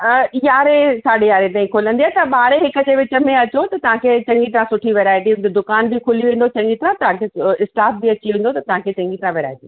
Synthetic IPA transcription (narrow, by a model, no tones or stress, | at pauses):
əjaːɾesaːɗejaːɾet̪aːĩkʰoːlə̃nd̪iaːt̪ɐɓaːɾeɦɪkəd͡ʑeːʋɪt͡ɕə̆mẽɐt͡ɕot̪ɐt̪ɐʋ̤ãkʰet͡ɕɐ̃ŋɡit̪ɾãsʊʈʰiʋeːɾaːɪʈiʊ̃nd͡ʑ̪ed̪ʊkaːnbɪkʰʊliʋẽːn̆d̪ot͡ɕɐ̃ŋɡit̪ɾãt̪ɐɦãkʰeɪsʈaːpʰbɪɐt͡ɕiʋẽːn̆d̪ot̪ɐt̪ɐʋ̤ãkʰet͡ɕɐ̃ŋɡit̪ɾãʋeːɾa̰ːɪʈi